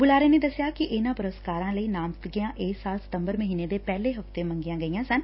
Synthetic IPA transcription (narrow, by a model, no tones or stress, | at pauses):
bʊlaːɾeːneːd̪əsjaːkɪʔɪnãːpəɾəskaːɾãːləiːnaːmt̪ɡɪjãːʔeːsaːlsə̥t̪ə̃mbəɾməɦiːneːd̪eːpɛːleːɦəft̪eːmə̃ŋɡɪjãːɡəijãːsən